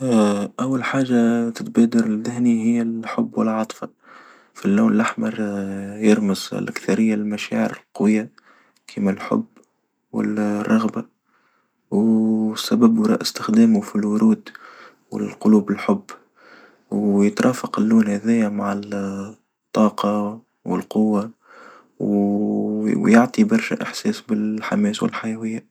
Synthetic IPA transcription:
ʔawːalħaːʒːat̪ɪt̪bæːd̪ɑɾɪðɪhnihɪjːæħʊbːwɪlʕɑt̪ˤfɑ | filːuːnɪlʔaħmɑɾˤjɑɾˤməz̰lʔa̰kθɑɾɪjːalmaʃa̰ːʕəɾɪlqwɪjːa | kʰimælħʊ̰bː | wɪ̰lrˤːɑɣba | wsːæbæbɾˤɑ̰ːʔɪst̪ɪxd̪æːmʊfilwʊɾuːd̪ | wɪ̰lqʊluːbɪlħʊbː | wjət̪ɾˤʔˤɑːfɑqɪlːuːnhæðɛjamaʕɪl | t̪ˤːɑːqɑ | wɪ̰lqʊwːa | w | jʊʕt̪ˤibɑɾˤʃæ̰ʔɪħsɛːsbɪlħamɛːswɪ̰lħajɛwɪjːæ

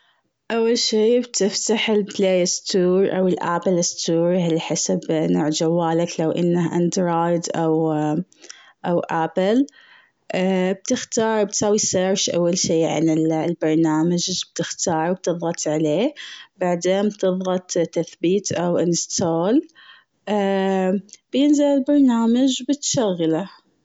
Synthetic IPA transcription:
ʔawːalʃiːbt̪ɪft̪aħɪlpleːjɪst̪uːɾʔa̰wɪlʔapɪlɪst̪uːɾɦalːħasabnoːʕd͡ʒawːaːlaklawʔɪnːahʔand̪ɾoːjd̪ʔaw | ʔawʔapɪl | b̚t̪ɪxt̪ɑːɾˤb̚t̪saːwiseɾʃʔa̰wːalʃiːʕa̰nɪllbɑɾˤnaːmad͡ʒb̥̚t̪ɪxt̪ɑːɾˤwb̚t̪ɨðˤɣɑt̪ʕaleːbaʕd̪eːnbt̪ɨðˤɣɑt̪ˤt̪ːaθbiːt̪ʔawʔanst̪ʰoːl | ʔ | b̥jɪnzɪlɪlbɑɾˤnaːmad͡ʒbɪt̪ʃaɣːla

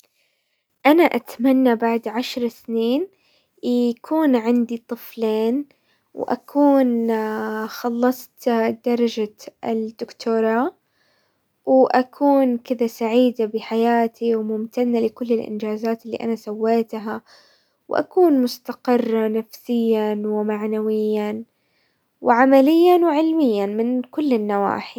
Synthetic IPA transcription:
ʔanaʔat̪manːabaʕd̪ʕaʃɾˤsniːn | jakʰuːnʕand̪it̪ˤɨfleːn | wʔa̰kʰuːn | xɑlːɑsˤt̪d̪ɑɾˤɑd͡ʒaɪd̪ʊkt̪ʰuːɾˤɑː | wʔakʰuːnkɪd̪asaʕiːd̪abɪħajaːt̪ʰiwmʊmt̪anːalɪkʊlːɪlʔɪ̰nd͡ʒaːzaːt̪ɪlːḭʔanasawːeːt̪ɦa | wʔa̰kuːnmʊst̪aqɪrˤːɑnafsɪjːanwɪmaʕnawɪjːan | wʕamalɪjːanwɪʕɪlmɪjːanmɪnkʊlːɪnːawa̰ːħi

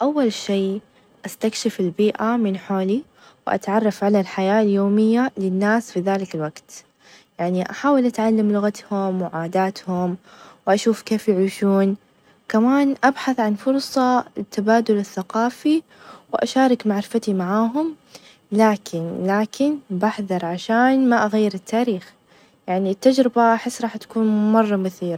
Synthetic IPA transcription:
ʔawːalʃeː | ʔast̪akʃɪfɪlbiːʔamɪnħoːli | wɪʔa̰t̪ʕɑrˤːɑfʕalalħajaːljoːmɪjːalɪnːaːsfiðaːlɪkalwaɡt̪ | jaʕniʔaħaːwɪlʔat̪ʕalːamlʊɣat̪hʊmwɪʕaːd̪aːt̪hʊmwʔaʃuːfkeːfjaʕiːʃuːn | kamaːnʔabħaθʕanfʊɾˤsˤɑt̪ːabaːd̪ʊlɪθːaqɑːfi | wʔa̰ʃaːɾˤɪkmaʕɾɪfat̪imaʕaːɦʊm | laːkʰɪnlaːkɪnbaħðɑɾˤʕaʃaːnmaʔaɣajːɪɾɪt̪ːaːɾiːx | jaʕnit̪ːad͡ʒɾɪbaʔaħɪsːɾˤɑːħt̪ḁkuːnmɑrˤːɑmʊθiːɾˤ

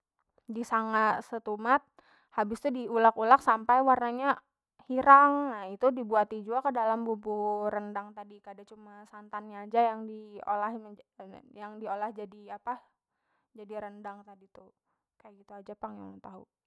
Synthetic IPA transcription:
disaŋasət̪umat̪̚ | habɪst̪udiulakulaksampajwarnaɲa | hiɾaŋnahit̪udibuat̪id͡ʒuakədalambupuɾəndaŋt̪adikaadat͡ʃumasant̪anɲaːd͡ʒajaŋdio̰lahmjaŋdiolahd͡ʒadiapa | d͡ʒadiɾəndaŋt̪adit̪u | kajaɡit̪uad͡ʒapaŋja̰ŋt̪aɦṵ

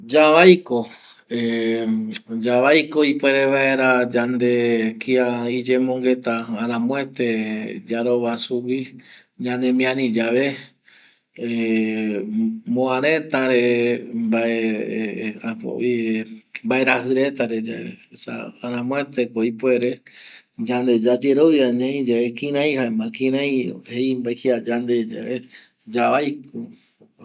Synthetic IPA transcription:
d͡ʒaβajko | e | d͡ʒaβajkoipwe̞ɾe̞ʋae̞ɾad͡ʒand̪e̞kiaid͡ʒẽmõŋɡe̞t̪aaɾãmõet̪ed͡ʒaɾoβasuwi | ɲãnẽmĩãɾĩd͡ʒaʋe | mõãɾẽt̪aɾembae | apo̰imbaeɾaɦɨɾet̪aɾed͡ʒa̰ḛsa̰aɾãmõet̪ekoipueɾe | d͡ʒãnd̪ed͡ʒad͡ʒeɾoaɲãĩd͡ʒaekĩɾ̃ãj̃haemãkĩɾãj̃hejmbaehiad͡ʒand̪ed͡ʒa̰e | d͡ʒaajko

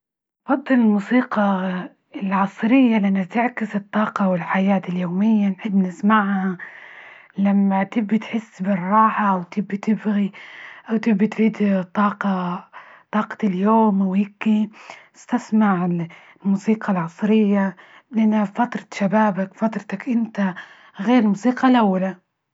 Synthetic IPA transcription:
fɑd̪ˤːɨlɪlmuːsiːqɑ | ɪlʕɑsˤɾɪjːalɪʔanːat̪ɪʕkɪsɨt̪ˤːɑːqɑwɪlħajaːt̪ɪljoːmɪjːanħɪbːnɪsmaʕha | lamːat̪ɪbːɪt̪ħɪsːbɪrˤːɑːħaʔwt̪ɪbːt̪ɪbɣiʔawt̪ɪbːit̪ɾiːd̪t̪ˤːɑːqɑ | t̪ˤɑːqɑ̥t̪ɪljoːmawɪkːiɪst̪asmaʕɪl | lmuːsiːqɑlʕɑsˤɾɪjːa | lɪʔanːafat̪ɾˤɑ̥ʃabaːbakfat̪ɾˤɑt̪akʔɪnt̪a | ɣeːɾmuːsiːqɑlʔawːala

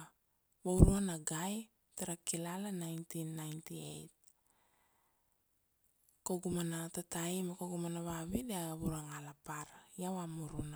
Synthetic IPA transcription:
βawɾuanaɡaj | taɾakilalanajntinːajntiḛjt̚ | koɡumanatatajimakoɡumanaβaβideaβuɾaŋalapaɾjawamuɾuna

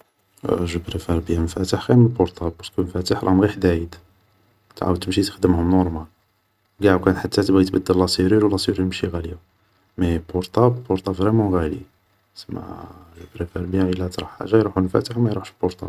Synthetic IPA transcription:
ʒəbɾefæɾˤbəjæmfæt̪əħɣæməlbɔɾt̪ablpɑɾskəmfæt̪əħɾˤʔɑmɣiħd̪æjəd̪ | t̪ʕa̰wəd̪t̪əmʃit̪ə̥xd̪əmhʊmnɔɾˤmæl | ɡaʕukænħat̪ːæt̪bæjt̪bæd̪ːælːɑsiɾilwlːɑsiɾilmʃiɣæli | mebɔɾt̪abbɔɾt̪ˤabvʁemɑ̃ɣælḭ | səmːæ̰ʒəbɾefæɾbjhæʔəlːæt̪ɾˤɑħħa̰ʒːajɾˤuħulmfæ̰t̪əħwmæjɾˤuħʃbɔɾt̪ˤa̰b

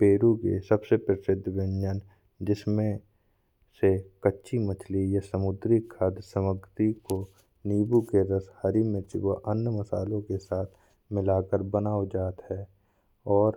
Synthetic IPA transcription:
peːɾukḛsəbsepɾɪsɪd̪ʱːʋɪ̃nd͡ʒən | d͡ʒɪsmẽ | sekətːʃimət͡ʃʰlijəsəmʊd̪ɾikʰːaːd̪səməɡt̪iko | niːbukeɾəshəɾimɪt͡ʃḭwaʔənːəməsa̰ːlõkesaːt̪ʰ | mɪlaːkəɾbənaːod͡ʒaːt̪hɛː | ɔːɾ

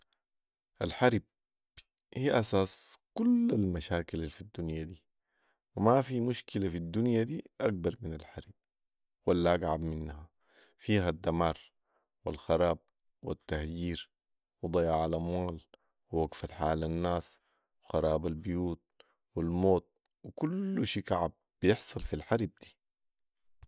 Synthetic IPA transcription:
ʔalħaɾb̚ | hiːʔasaːskulːalmaʃaːkilalfid̪ːunjad̪iː | wimafimuʃkilafid̪ːunjad̪iːʔaɡ̚bɑɾˤminalħaɾb̥̚ | walːaʔaɡʕabminːha | fiːɦad̪ːamaːɾˤ | wilxɑɾˤɑːb̚ | wa̰t̪ːahjiːɾ | wɨd̪ˤɑjaʕalʔamwaːl | wiwaɡfat̪ħaːlanːaːs | wɪxɑɾˤɑːbalbijuːt̪̚ | wilmoːt̪̚ | wikulːuʃiːkaʕab̚ | b̥ijɪħsˤɑlfilħaɾb̚d̪̥iː

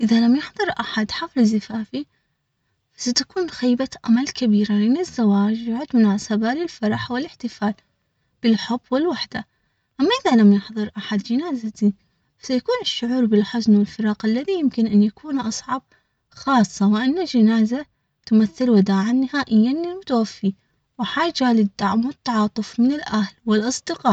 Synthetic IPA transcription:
ʔɪðalamjɪħðˤɨɾˤʔaħad̪ħaflɪzːɪfaːfi | fasat̪akuːnxaːbaʔa̰malkabiːɾaʕanɪzːawaːd͡ʒjʊʕʊd̪mɪnʕasabaːlɪlfɑɾˤɑħwɪlɪħt̪ɪfaːl | b̥ɪlħʊbːwɪlwaħd̪̥a | ʔamːaʔɪðalamjɪħðˤɨɾʔaħad̪d͡ʒɪnaːzat̪i | sajakuːnɪʃːʊʕuːɾbɪlħʊznwɪlfɪɾˤɑːqʔalːaðijɪmkɪnʔanjakʰuːnʔɑsˤʕɑb̚ | xɑːsˤːɑwɪʔanːad͡ʒɪnaːza | t̪ʊmaθːɪlwɪd̪aːʕanːɪhaːʔɪjːanimʊt̪awafːi | wɪħaːd͡ʒalɪd̪ːaʕmwɪt̪ːɑʕɑːt̪ˤɨfmɪnɪlʔahlwɪlʔɑsˤd̪ɪqɑːʔ

